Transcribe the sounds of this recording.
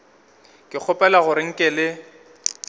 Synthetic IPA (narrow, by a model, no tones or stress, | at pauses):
kʼɪk͡xʰʊpʼɛlaɣʊɾɪŋ̩kʼɪlɪ